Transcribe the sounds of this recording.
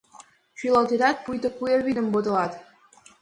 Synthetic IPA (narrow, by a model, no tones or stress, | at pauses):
t͡ɕylˠɑlˠt̪ed̪ɑt̪̚pujt̪ə̆kujeβid̪ə̆mbod̪ɤ̆lˠɑt̪